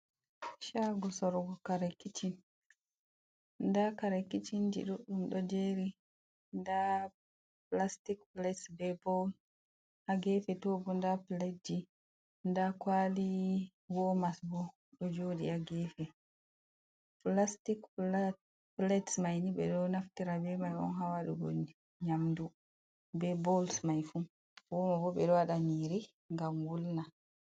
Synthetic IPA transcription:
ʃaɡɔsɔɾɡɔkaɾakːit͡ʃʰin | ndakaɾakit͡ʃind͡ʒḭɗuɗumɗɔd͡ʒeɾi | nda | plastikplɛtsbɛbɔ | aɡɛfɛtɔbɔndaplɛd͡ʒi | ndakwali | wɔmasbɔ | ɗɔd͡ʒodḭaɡɛfɛ | plastikl | plɛtsmajniɓɛ̰ɗɔnafkiɾabɛmajɔ̰nɦawaɗuɡɔ̰ni | ɲamdu | bɛbɔlsmajfu | wɔmabɔɓɛɗɔwaɗaniɾi | ŋɡamwulna

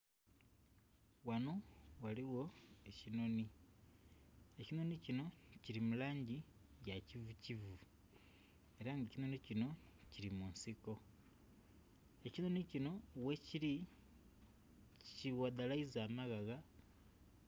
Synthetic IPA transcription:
wanowaliɣo̞ecino̞ni | e̞cino̞nicino̞ciɾimulaːɲɟi | jacivucivu | e̞ɾaŋɡacino̞nicino̞ | ciɾimuːnsiko̞ | e̞cino̞nicino̞weciɾi | ciwad̪alaizaːmaɣaɣa

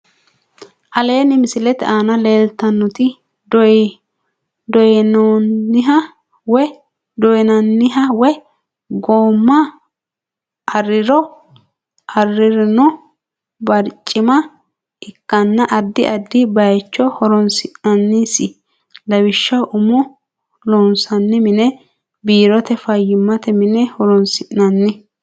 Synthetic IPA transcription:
ʔɐle̞ːnɪmɪsɪlɛt̪ɛaːnɐleːlt̪ɐnːɔt̪ɪ | dɔ | d̪ɔjɛnonːɪɦɐ | wɛ | d̪ɔjɛnɐnːɪɦɐwɛ | ɡoːmːɐ | ʔɐrːɪɾɔ | ʔɐrːɪɾɪnɔ | bɐɾt͡ʃʼːɪmɐ | ʔɪkːɐnːɐʔɐd̪ːɪʔɐd̪ːɪbɐjt͡ʃːɔhɔɾɔnsɪʔnɐnːisɪ | lɐwɪʃːɐʔʊmʊ | loːnsɐnːɪmɪnɛ | biːɾɔt̪ɛfɐjːɪmːɐt̪ɛmɪnɛhɔɾɔnsɪʔnɐnːɪ

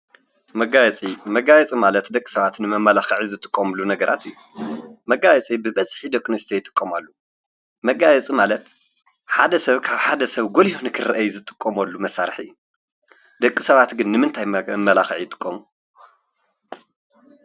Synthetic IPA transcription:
mɐɡajɛt͡sʼimɐɡajɛt͡sʼimalɐt̪d̪ɐkʼːi̥sɐβat̪nɨmɐmːɐlaxɨʕizɨt̪ʼɨkʼːɐmɨlunɐɡɐɾʔa̰t̪ʰiju | mɐɡajɛt͡sʼibɨbɐzħid̪ɐkʼːnɨst̪ʰejɪt̪ʼɨ̥kʼːɐmalːu | mɐɡajɛt͡sʼimalɐt̪ | ħad̪ɐsɐβkʰaβħad̪ɐsɐβɡolihonɨkʰɨrɐʔɐjuzɨt̪ʼɨ̥kʼːɐmɐlːumɐsaɾħḭːu | d̪̥ɐkʼːisɐβat̪ɡɨnːɨmɨnt̪ʰajmːɐlaxʕijɪt̪ʼɨ̥kʼːomu

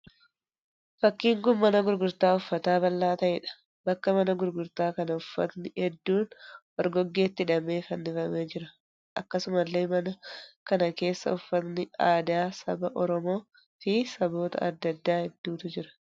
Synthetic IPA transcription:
fɐkːiːŋɡʊmːɐnɐɡʊɾɡʊɾt̪aːʊfːɐt̪aːbɐlːaːt̪ɐʔɛᶑɐ̥ | bɐkːɐmɐnɐɡʊɾɡʊɾt̪aːkɐnɐʊfːɐ̰t̪nɪhɛd̪ːuːnwɔɾɡɔɡːe̞ːt̪ːɪᶑɐme̞ːfɐnːɪfɐmeːd͡ʒɪɾɐ | ʔɐkːɐsʊmɐlːeːmɐnɐkɐnɐke̞ːsːɐ̰ʊfːɐt̪nɪaːd̪aːsɐbɐʔɔɾɔmo̞ː | fɪsɐbo̞ːt̪ɐ̰ɐ̰d̪ːɐd̪ːaːhɛd̪ːuːt̪ʊd͡ʒɪɾɐ̥

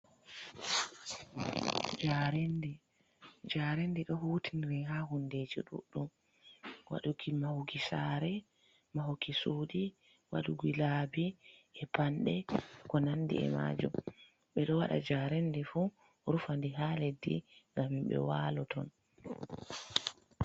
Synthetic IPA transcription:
d͡ʒaɾendi | d͡ʒaɾendiɗɔhuːtinɾɛɦaɦunded͡ʒiɗṵɗum | wa̰ɗukimahuɡisaɾɛ | mahukisoːɗi | wa̰ɗuɡilabiɛpanɗɛkɔnandḭɛ̰ma̰ːd͡ʒum | ɓɛɗɔwaɗa̰d͡ʒaɾɛndɛfu | ɾufandiɦaledːḭŋɡamːimɓɛ̰walɔtʰɔn

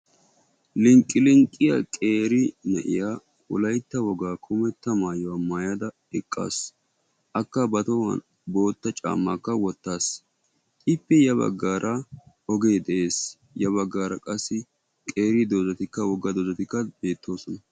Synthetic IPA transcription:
lɪŋkʼːɪlɪŋkʼːɪjɐ̰kʼe̞ːɾɪnɛ̰ʔɪ̰jaː | ʊlɐjt̪ːɐwɔɡaːkʰʊmɛt̪ːɐmaːjɔɐmːaːjad̪ɐ | ɛkʼːa̰ːs | ʔɐkːɐbɐt̪ɔ̰ | bo̞ːt̪ːɐt͡ʃʼa̰ːmːakːɐwɔt̪ːaːs | ɪpːɛjɐbɐ̰ɡːaːɾʔɐ | ɔɡe̞ːd̪ɛʔe̞ːs | jɐβɐɡːaːɾɐkʼɐsːɪ | kʼe̞ːɾɪd̪oːzɐt̪ɪkːɐwɔɡːɐd̪oːzɐt̪ɪkːɐb̥e̞ːt̪ːo̞ːsɔnɐ

